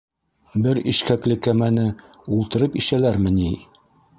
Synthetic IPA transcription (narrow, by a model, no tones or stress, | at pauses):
bɘɾiʃkæklɘkæmænɘ | ulˠt̪ɤ̆ɾɤpiʃælæɾmɘ̆ni